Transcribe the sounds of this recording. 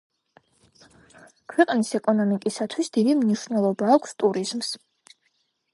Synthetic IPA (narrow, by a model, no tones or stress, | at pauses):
kʰwɛqʼnisɛkʼɔnɔmikʼisat̪ʰwisd̪̥id̪imniʃnɛlˠɔbaːkʷʰst̪ʼuɾizms